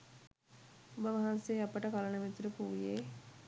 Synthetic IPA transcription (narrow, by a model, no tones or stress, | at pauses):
ubəʋaɦanseːapəʈəkalənəʋit̪uɾəpuːijeː